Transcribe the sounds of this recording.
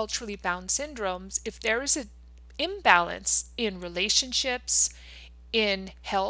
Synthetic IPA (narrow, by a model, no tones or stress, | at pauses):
ʌlˠt͡ʃəɹl̩ˠibãʊ̃nd̥sɪ̃ndɹõʊ̃mz̥ɨfðə˞ɨzɨ̃ | ɪ̃mbælˠɨ̰̃nsɪ̃nɹileɪʃɨ̃nʃɪps | ɪ̃nhɛl